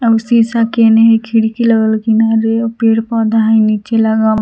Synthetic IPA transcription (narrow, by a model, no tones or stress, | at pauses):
ɐsĩsakeneɦekʰiɽikiləɡəlkinaɾeopeɾpɔd̪aɦainit͡ʃelaɡam